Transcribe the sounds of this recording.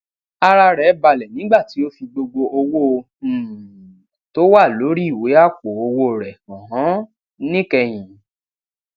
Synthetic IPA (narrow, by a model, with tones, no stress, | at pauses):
a˧ɾa˧ɾɛ˨˦ba˧lɛ˨nĩ˨˦ɡ͡ba˦˨ti˨˦o˦fi˧ɡ͡bo˧ɡ͡bo˧ʔo˧wo˦o˧˨ | to˦wa˦˨lo˨˦ɾi˦i˦˨we˨˦a˦˨k͡po˨o˧wo˦˨ɾɛ˨ɔ̃˨ɦɔ̃˨˦ | nĩ˦kɛ˧j̃ĩ˨